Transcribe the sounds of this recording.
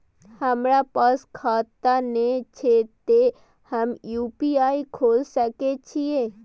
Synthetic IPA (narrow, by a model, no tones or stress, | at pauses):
həmɾapəskʰaːt̪anet͡ʃʰet̪e | həmjupiaikʰoːlsəket͡ʃʰije